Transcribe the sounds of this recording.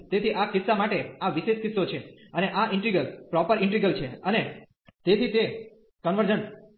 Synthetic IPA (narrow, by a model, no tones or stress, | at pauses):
t̪et̪ʰiʔakɪsamaʈeaʋiʃeʃkɪt̪sot͡ʃʰeəneʔaʔɪ̃ɳʈɾiɡəlpɾɔpəɾɪ̃ɳʈɾiɡəlt͡ʃʰeəne | t̪et̪ʰit̪e | kənʋəɾd͡ʒəɳ